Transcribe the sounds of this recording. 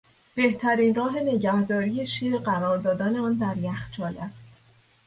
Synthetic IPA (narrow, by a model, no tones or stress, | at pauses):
b̥e̞ht̪ʰæɾiːnrɒːɦe̞ne̞ɟæhd̪ɒːɾiːje̞ʃiːɾɢæɾɒːɾd̪ɒːd̪ɒːne̞ɒːnd̪æɾjæxt͡ʃʰɒːlæst̪